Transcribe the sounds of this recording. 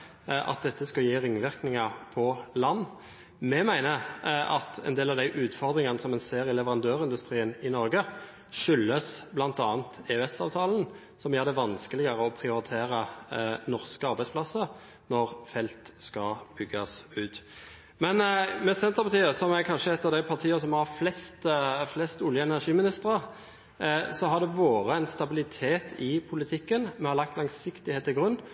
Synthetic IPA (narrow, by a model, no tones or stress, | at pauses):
ʔɑ̰t̪̚d̪ɛt̪ʰːəskɑjiːʁɪŋʋɪʁknɪŋɑʁpʰɔlɑnː | mɛmæɪnəɑt̪ʰɛ̰nd̪eːlɑʋd̪æɪʔʉːt̪fɔʁd̪ʁɪŋɑnəsɔmɛnseːɾɪlɛʋəʁɑnd̪øːʁɪnd̪ʉst̪ʁiːənɪnɔɾɡə | ʂʏlːəsblɑnt̪ɑːnt̪eʉɛsɑːʋt̪ʰɑːln̩ | sɔmjɛːʁd̪ɛʋɑnskəlɪɡɑʁəɔpʰɾɪʊɾɪt̪ʰeːɾənɔʁskəɑɾbæɪspʰlɑsːə | nɔɾfɛlt̪skɑb̥ʏɡːɑsʉːt̪ | mɛnmɛsɛnt̪əʁpɑt̪ʰiːəsɔmækʰɑnʂəɛt̪ːəɾd̪æɪpʰɑʁt̪ʰiːəs̬ɔmhɑɾflɛst̪flɛst̪ʊljəɛnæʁʂiːmɪnɪst̪əɾə | sɔɦɑd̪ɛʋoːɾəɛɪnst̪ɑbɪlɪt̪ʰeːt̪ʰɪpʰʊlɪt̪ʰɪkːənmɛhɑɾlɑkt̪lɑŋsɪkt̪ɪheːt̪ːɪɡɾʉnː